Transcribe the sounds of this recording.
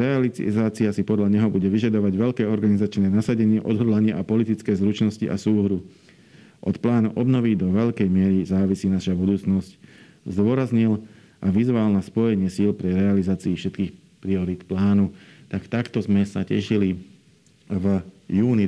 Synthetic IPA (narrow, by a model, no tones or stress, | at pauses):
ɾɛalizaːt͡siasipɔd̪ʎaɲɛɦɔbuɟɛʋiʒad̪ɔʋaɟʋɛʎkɛːɔɾɡanizat͡ʃnɛːnasaɟɛɲɪɛʔɔd̪ɦɔd̪laɲɪɛʔapɔlit̪it͡skɛːzɾut͡ʃnɔscḭʔa̰suːɦɾu | ʔɔt̪plaːnuʔɔbnɔʋid̪ɔʋɛʎkɛjmɪɛɾizaːʋisiːnaʃabud̪uːt͡snɔsc | zd̪ʊɔɾazɲil | ʔaʋizʋalnaspɔjɛɲɪɛsiːlpɾiɾɛalizaːt͡siːfʃɛt̪kiːx | pɾiɔɾiːt̪plaːnut̪akt̪akt̪ɔzmɛsacɛ̰ʃili | vjuːni